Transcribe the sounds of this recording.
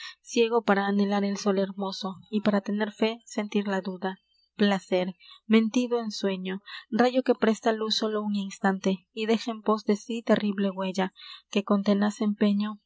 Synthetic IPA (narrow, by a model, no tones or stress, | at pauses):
sje̞ɣo̞paɾaːne̞laɾe̞lso̞le̞ɾmo̞so̞ipaɾat̪e̞ne̞ɾfe̞se̞nt̪iɾlaðuða | plase̞ɾmẽ̞nt̪iðo̞enswe̞ɲo̞raʝo̞ke̞pɾe̞st̪aluso̞louninst̪ant̪e̞ | iðe̞xeempo̞zðe̞sit̪e̞riβle̞ɣwe̞ʝake̞ko̞nt̪e̞nase̞mpe̞ɲo̞